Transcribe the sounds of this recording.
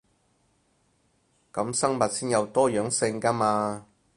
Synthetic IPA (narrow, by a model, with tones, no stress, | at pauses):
kɐ˨˥msɐ˥ŋmɐ˨t̚siː˥njɐ˨˧wt̪ɔː˥jœː˨˥ŋsɪ˧ŋka˥maː˧